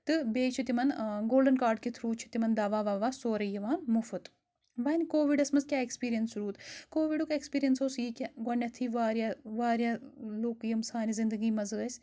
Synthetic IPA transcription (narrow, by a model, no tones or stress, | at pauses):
t̪ɨbeːt͡ʃʰit̪imɐnɡoːlɖɐnkaːɾɖ̚kit̪ʰɾuːt͡ʃʰu̥t̪imɐnd̪aːʋaːʋaːʋaːsoːɾɐjiʋaːnmufɨt̪ | ʋɐnʲkoːʋiɖɐsmɐzkʲaːekspiːɾijɐnsɾuːt̪koːʋiɖukekspiːɾijɐnsoːsjikʲɐɡɐnʲːɐt̪ʰiʋaːɾʲjaʋaːɾjaloːkjɐmsaːnizind̪ɨɡiːmɐzɨɐsʲ